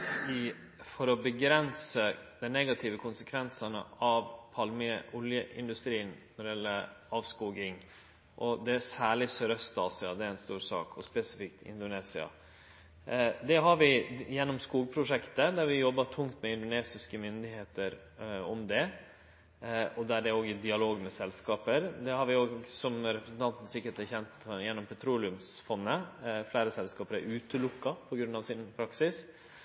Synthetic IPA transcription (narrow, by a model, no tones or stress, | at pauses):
ɪ | fɔɾɔbəɡɾɛnsəd̪ɛnɛɡɑt̪ʰɪːʋəkʰʊnsəkʰʋɛnsɑnə̰ɑʋpʰɑlməʔɔljəʔɪ̰nd̪ʉst̪ɾiːənnɔɖɪjɛlːəɾɑːʋskuːɡɪŋ | ʔɔd̪ɛsæːɭɪsøɾəst̪ɑsɪɑd̪ɛæɪnst̪uːɾsɑ̰ːkʰɔspɛsɪfɪkt̪ɪ̰nd̪ʊneːsɪɑ̰ | d̪ɛɦɑɾʋɪjɛnːɔmskuːɡ̚pʰɾʊʂɛkt̪əd̪æɾʋɪjɔbːɑʈʰʊŋt̪mɛɪnd̪ʊneːsɪskəmʏnd̪ɪheːt̪əɾ | ɔmd̪ɛ | ɔd̪æɖɛoːɡɪd̪ɪɑloːɡmɛsɛlskɑːpəɾd̪ɛhɑɾʋɪoːɡsɔmɾɛpʰɾəsnt̪ʰɑnt̪n̩sɪkːəɾt̪æçɛnt̪jɛnːɔmpʰɛt̪ʰɾuːlɪʉmsfɔnːəflæːɾəsɛlskɑːpəɾæɾʉːt̪əlʊkːɑpʰɔɡɾʉnːɑʋsɪnpʰɾɑksɪs